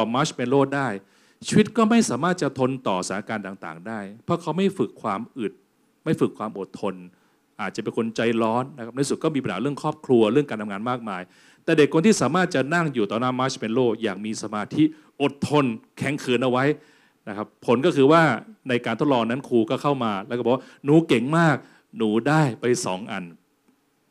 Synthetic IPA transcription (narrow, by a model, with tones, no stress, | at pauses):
ɔ˨˩maː˦˥t͡ɕme˧nloː˥˩daː˥˩j | t͡ɕʰi˦˧wi˦˥t̪̚kɔː˥˩ma˥˩jsaː˩˦maː˥˩t̪̚t͡ɕa˨˩t̪ʰo˧nt̪ɔː˨˩saː˩˦a˧kaː˧nt̪aː˨˩ŋt̪a̰ː˨˩ŋdaː˥˩jpʰɾɔ˦˥kʰa˦˥wma˥˩jfɯ˨˩kʰːwaː˧mʔɯ˨˩t̪̚ | ma˥˩jfɯ˨˩kʰwaː˧mʔo˨˩t̪ʰːo˧n | ʔaː˨˩t̪̚t͡ɕa˨˩pe˧nkʰo˧nt͡ɕa˧jlɔː˦˥nːa˦kʰa˦˥na˧˥˩su˨˩t̪̚kɔː˥˩mi˧pa˧nhaː˨˦ɾɯ˥˩əŋkʰɾɔː˥˩p̚kʰlu˧ɐɾɯ˥˩kaː˧nt̪ʰa˧ŋaː˧nmaː˥˩k̚maː˧j | t̪ɛː˨˩de˨˩kʰːo˧nt̪iː˥˩saː˩˦maː˥˩t̪̚t͡ɕa˨˩na˥˩ŋjuː˨˩t̪ɔː˨˦naː˦˥mːaː˦˥t͡ɕʰme˧nloː˥˩jaː˨˩k̚miː˧sa˧maː˧t̪ʰi˦˥ | ʔo˨˩t̪ʰːo˧nkʰɛ˨˩˦ŋkʰɯː˩˦nʔa˧wa˦˥j | na˦˥kʰa˦˥pʰːo˩˦nkɔː˥˩kʰɯː˧waː˥˩na˧jkaː˧t̪o˦˥t̪̚lɔː˧ŋna˦˥nkʰuː˧kɔː˥˩kʰa˥˩wmaː˧lɛ˦˥˩kːwaː˥˩nuː˩˦ke˨˩ŋmaː˥˩k̚ | nuː˩˦daː˥˩jpa˧jsɔ̰ː˩˦ŋʔa̰˧n